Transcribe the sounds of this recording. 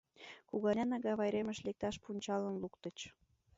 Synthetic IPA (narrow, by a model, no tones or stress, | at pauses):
kuɣɑnɑnɑɣɑβɑjɾeməʃlek̚t̪ɑʃpunʲt͡ɕɑlənlukt̪ət͡ɕ